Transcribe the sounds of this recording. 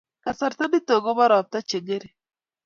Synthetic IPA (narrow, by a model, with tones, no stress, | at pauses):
ka˨sa˨ɾta˦ni˦tɔ˨ɡɔ˦βa˦ɾɔ˨p̚ta˦t͡ʃe˨ŋe˦ɾe˨